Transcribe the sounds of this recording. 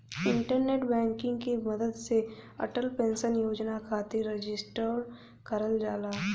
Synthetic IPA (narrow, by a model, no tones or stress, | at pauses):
ɪ̃ɳʈəɾneːʈbɛ̃ːŋkɪ̃ŋɡkimɐd̪əd̪seɐ̰ʈəlpẽːnʃənjoːd͡ʒnakʰaːt̪iɾed͡ʒɪsʈəɾ | kəɾəld͡ʒaːlaː